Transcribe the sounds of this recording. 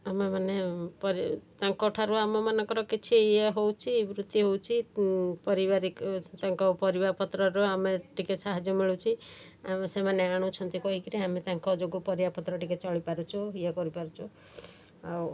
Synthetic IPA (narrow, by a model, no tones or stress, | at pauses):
amemanepɔɾit̪ãŋkɔʈʰaɾuamɔmanɔŋkɔɾɔkit͡ʃʰijeɦowt͡ʃʰibɾut̪ːiɦowt͡ʃʰipɔɾibaɾikt̪ãŋkɔpɔɾibaɾpɔt̪ɾɔɾɔameʈikesaɦad͡ʒjɔmiɭut͡ʃʰi | amsemaneaɽ̃ɔt͡ʃʰɔnt̪ikɔɦikiɾiamet̪ãŋkɔd͡ʒoɡupɔɾibaɾpɔt̪ɾɔʈiket͡ʃɔɭipaɾut͡ʃʰɔiekɔɾipaɾut͡ʃʰɔ | aw